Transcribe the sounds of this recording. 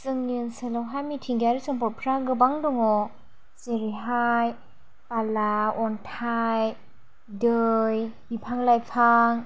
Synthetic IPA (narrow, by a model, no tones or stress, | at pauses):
sɯŋnɯnsɯlawɦajmitʰiŋɡaɾisɯŋpɔɾpʰɾaɡɯbaŋdɔŋɔ | seɾiɦaj | palaɔntʰaj | dɯjbipʰaŋlajpʰaŋ